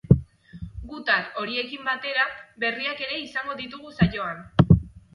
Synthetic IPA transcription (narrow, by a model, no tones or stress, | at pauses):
ɡut̪alo̞ɾie̞kimbat̪e̞ɾabe̞riake̞ɾe̞isaŋɡo̞ðit̪uɣ̞usajo̞an